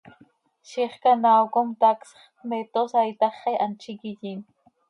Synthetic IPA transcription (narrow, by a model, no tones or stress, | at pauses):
ʃiχkanawkomt̪aksχmet̪osajt̪aχeʔant͡ʃikiʎin